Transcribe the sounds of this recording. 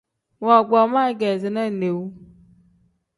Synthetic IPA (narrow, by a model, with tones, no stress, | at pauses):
wɔ˨ɡ͡bɔ˨˦ma˦ɡɛ˨zi˨nɛ˦˨ne˨wu˦